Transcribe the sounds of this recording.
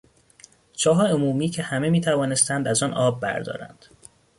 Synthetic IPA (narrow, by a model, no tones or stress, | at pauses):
d͡ʒʰɒːɦɒːjeomuːmiːcʰehæme̞miːt̪ʰævɒːne̞st̪ænd̪æzɒːnɒːbːæ̰ɾd̪ɒ̰ːɾæ̰nd̪̥